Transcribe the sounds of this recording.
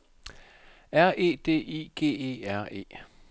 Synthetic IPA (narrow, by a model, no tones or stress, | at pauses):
æɐʔe̝̰ːd̥e̝̰ːḭɡ̥e̝̰ːe̝̰ːæɐ̰e̝̰ː